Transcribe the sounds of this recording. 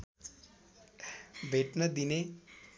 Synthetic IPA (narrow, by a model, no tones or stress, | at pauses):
bʱeʈnəd̪ine